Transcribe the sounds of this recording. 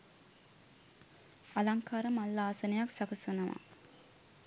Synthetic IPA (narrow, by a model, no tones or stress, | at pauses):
alaŋkaːɾəmalːaːsɐnɐjaksakɐsunɐʋa̰